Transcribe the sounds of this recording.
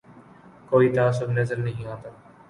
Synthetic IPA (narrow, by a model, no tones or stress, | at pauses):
koːit̪ɐãsʊbnɐzəlnɐɦĩãːnt̪aː